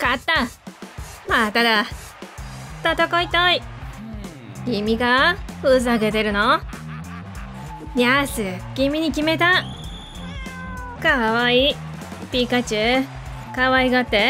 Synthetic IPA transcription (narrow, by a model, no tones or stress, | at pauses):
kat̪ːa | mat̪ad̪a | t̪at̪okoit̪oi | ɡ̥ʲimʲiɡaɸɯzaɡe̞t̪e̞ɾɯ̟no | jasɨɡ̥ʲimʲiɲ̟ikʲime̞t̪a | kaββai | pʲikat͡ɕɨ | kaβaiɡat̪ːe̞